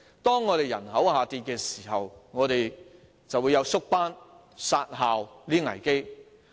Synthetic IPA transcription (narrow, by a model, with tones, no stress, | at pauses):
t̪ɔː˥ŋːɔː˨˧ɾe˨jɐ̰˨˩nhɐ˨˥whaː˨˧t̪iː˧t̚kɛː˧siː˨˩ɦɐ˨wŋɔː˨˧ɾe˨j | t͡sɐ˨wu˨˧jɐ˨˧wsʊ˥k̚paː˥n | saː˧t̚ɦaː˨wliː˥ŋɐ̰˨˩jke˥j